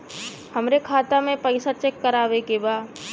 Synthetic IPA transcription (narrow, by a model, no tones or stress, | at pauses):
hɐmɾekʰaːt̪amẽpəɪsat͡ʃekːəɾaːʋekebaː